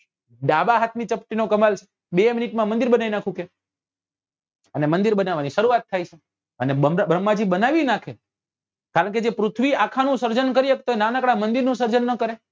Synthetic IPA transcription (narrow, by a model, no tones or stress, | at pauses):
ɖabaɦat̪ʰnit͡ʃəp̚ʈinokəmalt͡ʃʰe̥ | beminiʈmãmənd̪iɾbənainakʰũke | ənemənd̪iɾbənaʋaniʃəɾuat̪ʰːait͡ʃʰe | ənebəmbɾəmːad͡ʒibənaʋinakʰe | kaɾəɳ̃k̬ed͡ʒepɾʊt̪ʰʋiakʰanũsəɾd͡ʒənkəɾiekt̪oenanakɽamənd̪iɾnũsəɾd͡ʒənːəkəɾe